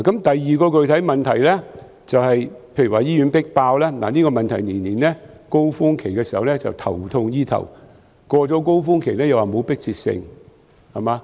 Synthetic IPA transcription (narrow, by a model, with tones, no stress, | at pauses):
kɐ˨˥mt̪ɐ˨jːiː˨˧kɔː˧kɵ˨ɥt̪ʰɐ˨˥jmɐ˨nt̪ʰɐ˨˩jlɛː˥ | t͡sɐ˨whɐ˨jpʰe˧jɥy˨˩waː˨jiː˥jy˨˧˥npɪ˥k̚paː˧wlaː˥na̰ː˨niː˥kɔː˧mɐ˨nt̪ʰɐ˨˩jniː˨˩nːiː˨˩nlɛː˥ | ko˥wfʊ˥ŋkʰe˨˩jkɛː˧siː˨˩hɐ˨wlɛ˥t͡sɐ̰˨wt̪ʰɐ̰˨˩wt̪ʰʊ˧ŋjiː˥t̪ʰɐ̰˨˩w | kɔː˧t͡sɔː˨˥k̬o˥wfʊː˥ŋkʰe˨˩jlɛː˥jɐ˨waː˨mo˨˧˥wpɪ˥k̚t͡sʰiː˧t̚sɪ̰˧ŋ | hɐ˨˩maː˨˧